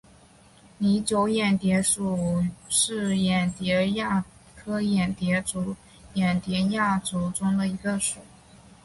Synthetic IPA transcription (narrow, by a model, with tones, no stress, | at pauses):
ni˧˥t͡ɕjo˧˥ʊjɛ˨˩nt̪jɛ˧˥ʂu˨˩ʂɻ̩˥˩jɛ˨˩nt̪jɛ˧˥ja˥˩ | kʰɤ˥jɛ˨˩nt̪jɛ˧˥ʈ͡ʂu˧˥ | jɛ˨˩nt̪jɛ˧˥ja˥˩ʈ͡ʂu˧˥ʊʈ͡ʂʊ˥ŋd̪ə˨i˧˥ɡə˧ʂu˨˩˦